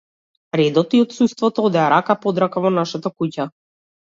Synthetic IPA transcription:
ɾɛd̪ɔt̪iɔt̪sust̪vɔt̪ɔɔd̪ɛaɾakapɔd̪ɾakavɔnaʃat̪akuca

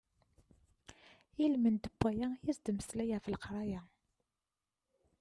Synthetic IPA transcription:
ilmənd̪əbːæjæjizd̪məslæjæfəlqɾˤɑjæ

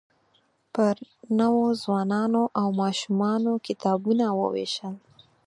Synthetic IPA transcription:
pəɾnəwozwɑnɑnoʔawmɑʃumɑnokɪt̪ɑbunawə̰wḛʃəl

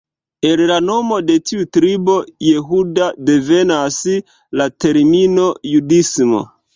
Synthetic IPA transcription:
ellano̞mo̞de̞tiutɾibo̞je̞ɦudade̞ve̞nas | late̞ɾmino̞judismo̰

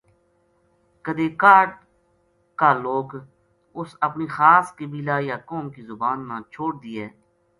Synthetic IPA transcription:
kəd̪eːkaːʈ | kaːloːɡ | ʊsəpniːxaːskeːbiːlaːjaːkoːmkiːzʊbaːnːãːt͡ʃʰoːɽd̪iːɛː

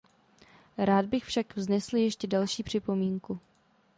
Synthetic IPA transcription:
ɾaːd̚bɪxfʃakvznɛsljɛʃcɛdalʃiːpr̝̥ɪpo̞miːŋku

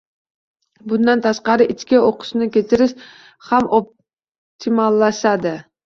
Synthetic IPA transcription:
bʊnd̪ant̪ʰaʃqɑɾɪʔɪt͡ʃkʲɪoqʰʊ̥ʃnɪkʲe̞t̪ʰɪɾɪʃ | hamop̚ | t̪ʰimalˠːaʃad̪ɪ

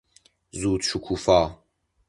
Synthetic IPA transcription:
zuːt̪t͡ʃʰukʰufaː

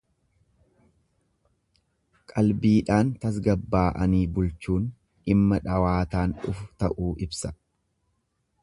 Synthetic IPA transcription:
kʼɐlbiːᶑaːnt̪ɐs̬ɡɐbːaːʔɐniːbʊlt͡ʃuːn | ɪmːɐᶑɐwaːt̪aːnᶑʊfʊt̪ɐʔuːʔɪbsɐ

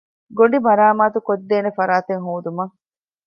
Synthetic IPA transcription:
ɡoɳɖibɐɾaːmaːt̪ukod̪ːeːnefɐɾaːt̪eŋɦuːd̪umɐŋ

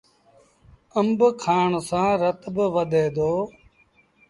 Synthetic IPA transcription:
əmbkʰaːɳsãːɾət̪bʋəd̪ʱeːd̪oː

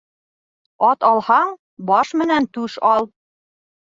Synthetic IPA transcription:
ɒt̪ɑlˠhɑɴ | bɒʃmɘ̆nænt̪ʉʃɒlˠ

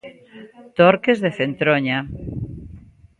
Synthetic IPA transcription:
t̪oɾkezðeθent̪ɾoɲa

